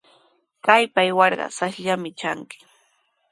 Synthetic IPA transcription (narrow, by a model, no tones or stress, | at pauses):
kajpajwɑɾɢɑ̰saʃʎamɪt͡ʃaŋkɪ̥